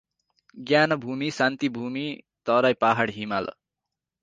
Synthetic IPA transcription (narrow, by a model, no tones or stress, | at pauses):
ɡjanʌbʱumisant̪ibʱumi | t̪ʌɾajpaɦaɽɦimalʌ̰